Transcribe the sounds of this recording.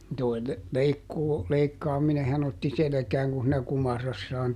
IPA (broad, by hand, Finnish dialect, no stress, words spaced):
toi l leikːuː leikːɑːminehɑn otːi selĕkæːŋ kun̞ siːnæ kumɑrɑsːɑːn